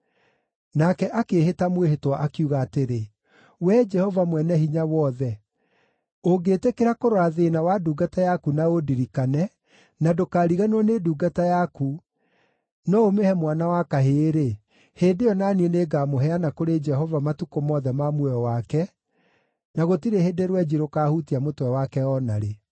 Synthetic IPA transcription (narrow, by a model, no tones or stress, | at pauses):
nakɛʔakeːhetamwehetwaʔakiuɣaːteɾe | wɛd͡ʒɛhɔvamwɛnɛhiɲawɔðɛ | oɡeːtekeɾakoɾwaðenawaduːɡatajakunaodiɾikanɛ | nadokaːɾiɣanoneduːɡatajaku | nɔomehɛmwanawakaɦeːɾe | heːdejɔnanieneːɡaːmoɦɛanakoɾed͡ʒɛhɔvamatukomɔðɛmamwɛɔwakɛ | naɣotiɾeheːdeɾwɛd͡ʒiɾokaːhutiamotwɛwakɛɔnaɾe